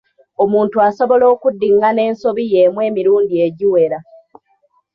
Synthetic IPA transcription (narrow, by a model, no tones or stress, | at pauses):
o̞muːntuaso̞βo̞lo̞ːkudːiŋɡane̞ːnso̞βije̞mwe̞ːmiɾuːndieɟiwe̞ɾa